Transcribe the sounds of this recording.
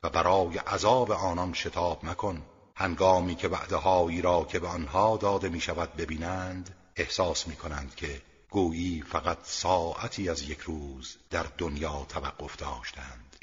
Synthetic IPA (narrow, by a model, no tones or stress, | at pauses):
væbæɾɒːje̞ʔæzɒːbe̞ʔɒːnɒnʃe̞t̪ʰɒːbnækʰo̞n | hæŋɡɒːmiːcʰe̞væ̰ʔd̪eɦɒːiːɾɒːcʰe̞beɒnhɒːd̪ɒːd̪e̞miːʃævæd̪̚be̞biːnænd̪ | ehsɒːsmiːkʰo̞nænd̪̥cʲʰe̞ | ɡ̥uːʔiːfæɣæt̪sɒːʔæt̪ʰiːæzjekʰɾuːzd̪æɾd̪onjɒːt̪ʰævæɡ̥ːo̞fd̪ɒːʃt̪ænd̪̥